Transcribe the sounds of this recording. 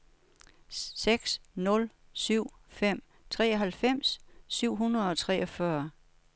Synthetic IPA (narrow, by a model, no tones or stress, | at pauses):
seɡ̥snɔ̽lsyʊ̰ | fem̰ | t͡sʰʁɛːɒɦælfem̰sːyʊ̰ɦunɐð̩ˠɒ̽t͡sʰʁɛ̰ːʔɒ̽fɶɐ